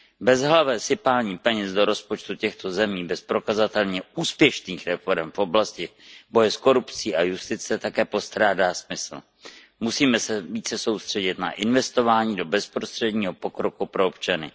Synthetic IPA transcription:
bɛzɦlavɛːsɪpaːlɲiːpɛɲɛzdo̞ɾo̞spot͡ʃt̪ucɛxt̪o̞zɛmiːbɛspɾo̞kazat̪ɛlɲɛuːspjɛʃniːxɾɛfo̞ɾɛmfʔo̞blascɪbo̞jɛsko̞ɾupt͡siːʔajust̪ɪt͡sɛt̪akɛːpo̞st̪ɾaːdaːsmɪsl̩ | musiːmɛsɛviːt͡sɛso̞wst̪r̝̥ɛɟɪt̪na̰ʔɪnvɛst̪o̞vaːɲiːdo̞bɛspɾost̪r̝̥ɛdɲiːɦo̞po̞kɾo̞kupɾo̞opt͡ʃanɪ̰

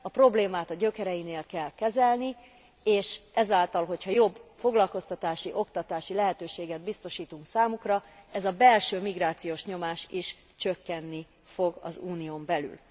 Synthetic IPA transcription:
ɒpro̞bleːmaːt̪ɒɟø̞kɛɾɛjineːlkɛlkɛzɛlni | eːʃɛzaːlt̪ɒlɦo̞chɒjo̞bːfo̞ɡlɒlko̞st̪ɒt̪aːʃiʔo̞kt̪ɒt̪aːʃilɛɦɛt̪øːʃeːɡɛd̪̚bist̪o̞ʃiːt̪uŋksaːmukrɒɛzɒbɛlʃøːmiɡraːt̪sijoːʃɲo̞maːʃiʃ | t͡ʃø̞kːɛnːi | fo̞ɡɒ̰zuːnijoːmbɛly̰l

